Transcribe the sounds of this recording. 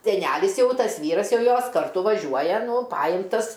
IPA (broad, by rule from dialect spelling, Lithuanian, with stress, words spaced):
sʲɛˈnʲælʲɪs ˈjɛʊ ˈtɐs ˈʋʲiːrɐs ˈjɛʊ ˈjoːs kɐrˈtʊ ʋɐˈʒʲuɔjɛ ˈnʊ ˈpɑːjɪmtɐs